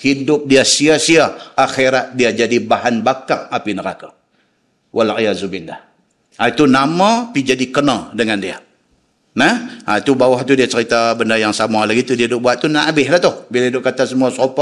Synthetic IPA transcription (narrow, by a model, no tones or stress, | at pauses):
hidʊp̚diasiasiaaxiɾat̪̚diad͡ʒadibaɦanbakaŋapinəɾa̰ka | wʔalʕijazubilːa̰h | ait̪unamãpid͡ʒadikənadəŋandia | nɛhait̪ubawaht̪udiat͡ʃəɾit̪abəndajaŋsamalaɡit̪udiadʊʔ̚buat̪̚t̪ːunaʔbɪhlaht̪ʊhbilaidʊʔkat̪asəmuasopa